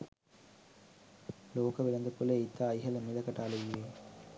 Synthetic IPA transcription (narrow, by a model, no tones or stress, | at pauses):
loːkəʋilɐnd̪əpuleit̪ːaːjɦɐləmilɐkɐʈaːleijeː